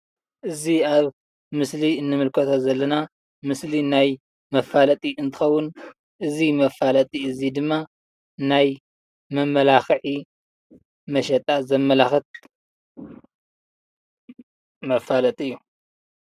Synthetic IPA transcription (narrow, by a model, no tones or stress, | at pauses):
ʔɨziaβ | mɨsliɨnːɨmɨlkʰɐt̪ʰozɐlːɐna | mɨslinaj | mɐfalɐt̪ʼiɨnt̪ʰɨ̥xɐwːʊn | ʔɨzimɐfːalɐt̪ʼiɨzid̪ɨmːa | naj | mɐmːɐlaxʕi | mɐʃɐt̪ʼazɐmːɐlaxɐt̪̚ | mɐfalɐt̪ʼiɨjːu